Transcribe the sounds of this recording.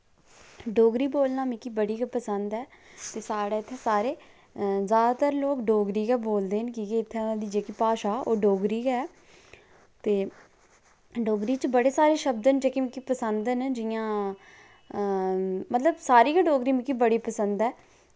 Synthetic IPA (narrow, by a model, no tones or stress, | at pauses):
ɖoːɡɾiːboːlnaːmĩkiːbəɽiːkːpəsənd̪ɛːt̪eːsaːɽɛːɪt̪ʰːeːsaːɾeː | zjaːd̪aːt̪əɾloːkɖoːɡɾiːkɛːboːld̪eːnkiːkiɪt̪ʰːeːãːd̪iːd͡ʒeːkipaːʃaːoːɖoːɡɾiːkɛː | t̪eː | ɖoːɡɾiːt͡ʃbəɽeːsaːɾeːʃəbd̪ənd͡ʒeːkimĩkipəsənd̪nd͡ʒɪjãː | mət̪ləbsaːɾiːkaɖoːɡɾiːmĩkiːbəɽiːpəsənd̪ɛː